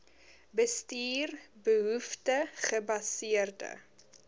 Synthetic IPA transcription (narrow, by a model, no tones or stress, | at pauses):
bəstiːrbəɦuftəχəbɐsiərdə̰